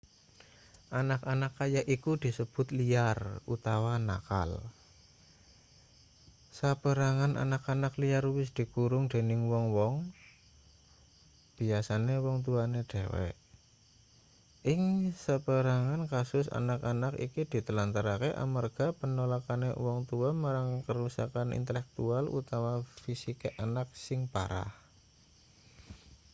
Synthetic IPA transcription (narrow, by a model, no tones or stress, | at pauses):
ʔanakanakːajaʔikud̪̥i̤səb̥ʊ̤t̪liarut̪awana̰ka̰l | sapəɾaŋanʔa̰nakanakliarwɪs̬d̪̥i̤kuɾʊŋd̪̥e̤nɪŋwɔŋwɔŋ | b̥i̤asanewɔŋt̪̬uaneɖ̥ewɛ̰ʔ | ʔɪŋsapəɾaŋankasʊsa̰nakanakḭkid̪̥i̤t̪əlant̪aɾakeʔa̰marɡ̥a̤pənolakanḛwɔŋt̪uamaɾaŋkəɾusa̰kanʔḭnt̪əlɛk̚t̪ualṵt̪amafisikeʔanak̚sɪŋpa̰ɾa̰h